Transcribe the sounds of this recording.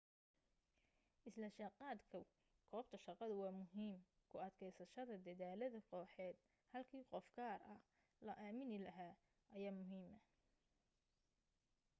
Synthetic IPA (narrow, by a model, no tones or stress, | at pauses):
ʔɪslɐʃɑqɑːd̪kʰɐ | kʰɔːb̚t̪ʰɐʃɑqɑðʊwɑːmʊɦiːm | kʰʊɐd̪kʰɛjsɐʃɐðɐd̪ɐðaːlɐðɐqʰɔːħɛːd̪ | hɐlkʰiːqɔfɡaːrɐh | lɐʔaːmɪnɪlɐɦaː | ʔɐjaːmʊɦiːmɐ